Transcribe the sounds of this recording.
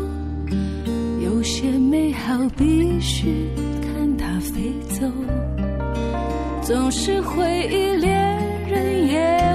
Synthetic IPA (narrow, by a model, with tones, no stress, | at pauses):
jo˨˩ʊɕjɛ˥me˧˥ɪxɑ˨˩ʊpi˧˥ɕy˥˩ | kʰa˥˩nt̪ʰa˥fe˧˥ɪt͡so˨˧ʊ | t͡sʊ˨˩ŋʂɻ̩˥˧xwe˧˥ɪi˥˩ljɛ˧˥n | ɻə˧˥njɛ˧